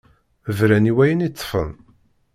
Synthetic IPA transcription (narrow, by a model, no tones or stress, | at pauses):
vɾæniwæjənit͡sˤːfə̰n